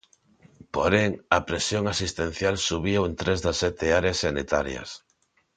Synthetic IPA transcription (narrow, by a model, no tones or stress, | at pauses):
poɾeŋɐpɾesjoŋasist̪en̟θjalsuβioent̪ɾezðɐsːɛt̪ɪaɾeasːanit̪aɾjɐ̰s